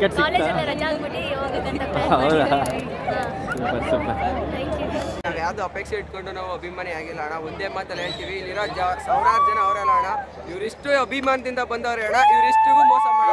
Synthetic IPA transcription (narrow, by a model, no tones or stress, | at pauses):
kɐsɐɾɐamɐʈioɡ̪ɐɐɐʋd̪ | ssuːpɐɾsuːpɐaknaʋjaːʋd̪uɐpeːkʂeiʈko̞ɳɖunɐʋːuɐbʱimaːniaːɡilːɐːɳɐond̪eːmaːt̪ɐleːɭt̪iʋiiːlːiɾod͡ʒasɐːɾaːd͡ʒɐnɐːʋɾɛlːɐaːɳɐ | iʋɐɾiʂʈuɐbʱimaːnɐd̪ind̪ɐbɐnd̪ɐʋɐɾeːɽɐiʋɐɾiʂʈuɡumɐ